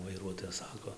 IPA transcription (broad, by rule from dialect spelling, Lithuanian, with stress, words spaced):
ʋɐɪˈruɔtoːjɛs ˈsɑːkoː